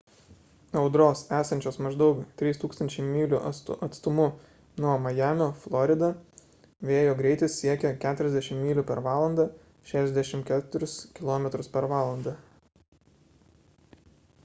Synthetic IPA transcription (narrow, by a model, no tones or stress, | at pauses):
ɐʊd̪ɾoːsæːsɐnʲt͡ʃʲoːsmɐʒd̪ɒʊkt̪ʲɾʲiːst̪uːkst̪ɐnʲt͡ʃʲɛɪmʲiːlʲʊʔɐt̪st̪ʊmʊ | nuɔmɐjæːmʲoːflˠɔɾʲɪd̪ɐ | ʋʲeːjoːɡɾʲɛɪt̪ʲɪssʲiɛkʲɛkʲæːt̪ʊɾʲɛzd̪ʲæʃʲɪmmʲiːlʲʊpʲɛɾʋɑːlˠɐnd̪ɑː | ʃʲæːʃʲɛzd̪ʲæʃʲɪmkʲæːt̪ʊɾʲʊskʲɪlˠoːmʲɛt̪ɾʊspʲɛɾʋɑːlˠɐnd̪ɐ